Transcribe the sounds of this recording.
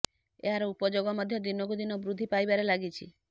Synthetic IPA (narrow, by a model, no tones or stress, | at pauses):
ḛɦaɾɔupɔd͡ʒoɡɔmɔd̪ʱjɔd̪inɔkud̪inɔbɾud̪ʱːipajbaɾelaɡit͡ʃʰḭ